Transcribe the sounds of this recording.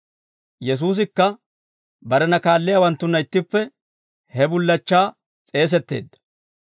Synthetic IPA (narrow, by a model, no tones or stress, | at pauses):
jɛs̬uːs̬ɪkːɐ | bɐɾɛnɐkaːlːɪjawɐnt̪ːʊnːɐɪt̪ːɪpːɛ | hɛbʊlːɐt͡ʃːaː | t͡sʼe̞ːs̬ɛt̪ːe̞̰ːd̪ːɐ̥